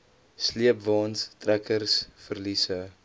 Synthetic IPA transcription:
sliəpvɑːnstrækərsfərlisə

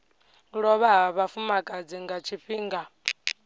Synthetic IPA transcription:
ɺɔβaɦaβafumakʼad͡ziŋɡat͡ʃʰiɸiːŋɡa

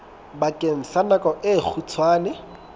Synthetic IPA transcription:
bakʼen̩ɬanakʼɔʔɪk͡xʰut͡sʰwaːnɪ

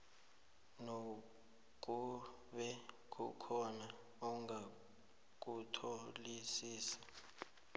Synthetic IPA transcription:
no | k̬ʼu | ɓɛ | k̬ʰʼukʰɔna | ɔŋʱa | k̬ʼutʰolisiːsḁ

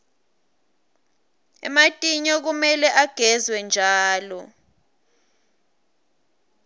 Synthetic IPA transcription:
ɛ̰matʼiɲɔk̬umɛlɛʔaɡ̥ʱɛzwɛnd͡ʒʱaːlɔ

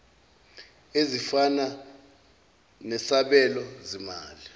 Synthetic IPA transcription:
ezifana | nɛsaɓɛlɔzimaːli

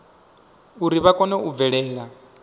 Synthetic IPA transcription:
uɾiβakʼɔnɛub̪vɛɺɛːɺa

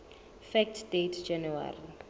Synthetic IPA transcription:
fɛk̚tʰdetʰd͡ʒanuwa̰ri

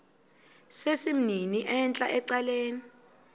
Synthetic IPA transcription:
sesim̩niniʔɛnt͡ɬʼa̰ʔɛǀaleːni

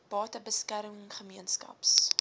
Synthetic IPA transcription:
b̥ɑːtəbəskærməŋχəmiənskɐ̰ps

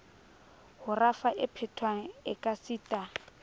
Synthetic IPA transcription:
hʊrafaʔɪpʰɛtʰwaŋ̩ɪkʼasiːtʼa

